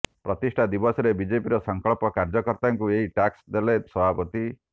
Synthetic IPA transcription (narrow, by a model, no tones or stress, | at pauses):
pɾɔt̪isʈʰad̪ibɔsɔɾebid͡ʒepiɾɔsɔŋkɔɭɔpɔkaɾd͡ʒɔkɔɾt̪aŋkueɦiʈaksd̪elesɔbʱapɔt̪i